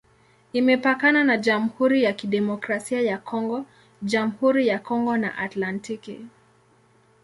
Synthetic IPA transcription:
imɛpakananad͡ʒam̩huɾijakiɗɛmɔkɾasiajakʰɔŋɡɔ | ʄam̩huɾijakɔŋɡɔna̰ʔatlantikḭ

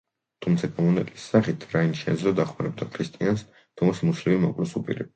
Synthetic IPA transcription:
t̪ʰumt̪sʰakʼɔmɔnɛt̪ʼisːaχit̪ʰɾainʃɛd̪zɾɔd̪aχmaɾɛb̚d̪akʰɾist̪ʼians | t̪ʰɔmsmuslivimɔkʼlɛsupʼḭɾɛ

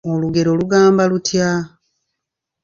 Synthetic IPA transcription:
oluɡe̞ɾo̞luɡaːmbalutja

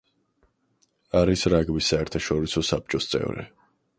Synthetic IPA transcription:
aɾisɾaɡbisːaɛɾt̪ʰaʃɔɾisɔsap̚t͡ʃʼɔst̪sʼɛ̰vɾɛ̰

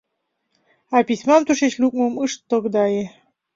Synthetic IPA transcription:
apʲisʲmamt̪uʃeɕlʲuk̚mumɨʂt̪ːoɡd̪ɑje

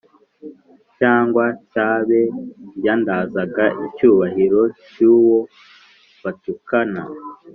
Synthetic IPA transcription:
caːŋɡwacaːβe̞jaːndaːzaɡaʔicuːβahiɾo̞cuːwo̞ | βatukana̰

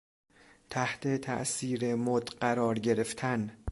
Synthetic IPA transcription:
t̪ʰæht̪ʰet̪ʰæ̰ʔsiːɾe̞mod̪ɢæɾɒːɾɟeɾe̞ft̪ʰæn

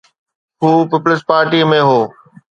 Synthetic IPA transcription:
ɦuːpɪplɪspaːɾʈimẽɦoː

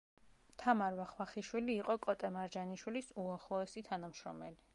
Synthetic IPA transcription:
t̪ʰamaɾvaχwaχiʃwiliːqʼɔkʼɔt̪ʼɛmaɾd͡ʒaniʃwilisuaχlˠɔɛsit̪ʰanamʃɾɔ̰mɛli

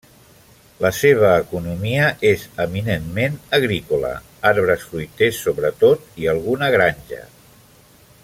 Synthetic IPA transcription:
ləseβ̞əːkunumiəʔezəminenmenəɣɾikulə̰ | aɾβɾəsfɾujt̪esːoβɾət̪ot̪iəlˠɣunəɣɾanʲʒə̰

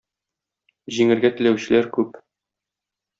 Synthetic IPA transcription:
ʑiŋɘ̆ɾɡæt̪ɘ̆læwɕɘ̆læɾkʉp

